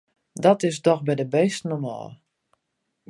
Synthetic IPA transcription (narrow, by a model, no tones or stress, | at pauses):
dɔtɪsdɔxbɛjdəbɛːstnɔmɔ̰ːlˠ